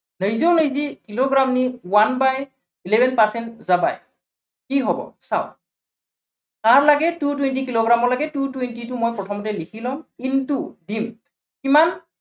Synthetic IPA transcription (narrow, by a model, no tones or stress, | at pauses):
nəjzownəjzikiloɡɹamniwanbaj | ilebɛnpaɹsɛntzaba̰j | kiɦɔbɔ̰sa̰ʊ | kaɹlaɡɛtutwent̬ikiloɡɹamɔɹlaɡɛtutwentitʊmojpɹɔtʰɔmɔtɛlikʰilɔ̃ŋintudim | kiman